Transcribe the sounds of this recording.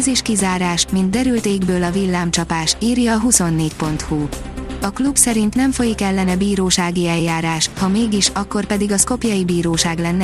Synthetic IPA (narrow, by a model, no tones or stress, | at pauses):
zeːʃkizaːɾaːʃmint̪̚d̪ɛɾylt̪eːɡbøːlɒvilːaːmt͡ʃɒpaːʃiːrjɒːɦuso̞nːeːcpo̞n̪t̪hu | ɒklubsɛɾint̪nɛɱfo̞jikɛlːɛnɛbiːɾoːʃaːɡiɛjjaːɾaːʃhɒmeːɡiʃɒkːo̞rpɛd̪iɡɒsko̞pjɒjibiːɾoːʃaːɡlɛnːɛ